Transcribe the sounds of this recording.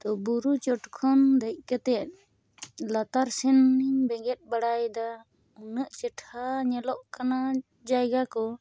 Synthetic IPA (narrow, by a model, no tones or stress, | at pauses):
t̪ɔbuɾut͡ʃɔʈkʰɔnd̪əc̚ˀkət̪ɛt̪̚ | lat̪aɾsɛnːiɲbɛɡɛt̪̚baɽajd̪a | unəʔt͡ʃɛʈʰhaɲɛlɔʔkana | d͡ʒajɡakɔ